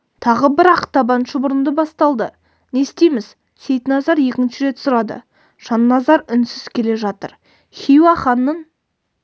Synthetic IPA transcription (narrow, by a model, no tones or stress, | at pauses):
t̪ʰɑʁəbɪɾɑqt̪ɑbɑnʃəbʊɾənd̪əbɑst̪ɑlˠd̪ə | ne̞st̪ejmɪz̥ | se̞jt̪nɑzɑɾje̞kʲɪnʃɪɾe̞t̪sʊɾɑd̪ə̰ | ʒ̥ɑnːɑzɑɾʏnsɪz̥kʲʰe̞le̞ʒɑt̪əɾ | χʲijwɑχɑnːən